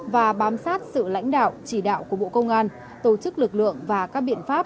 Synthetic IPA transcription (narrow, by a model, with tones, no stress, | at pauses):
vaː˨˩ɓaː˨˦msaː˦˥t̚sɨ̰˧˨la̰˧˥jŋ̟ɗa̰ː˧˨wt͡ɕi˧˩ɗa̰ː˧˨wku˧˩əɓo̰˧˨kə˧wŋ͡mʔaː˧n | t̪o˧˩t͡ɕɨ˦˥k̚lɨ˨˩k̚lɨ̰˧˨əŋvaː˨˩kaː˦˥k̚ɓḭ˧˨ənfaː˦˥p̚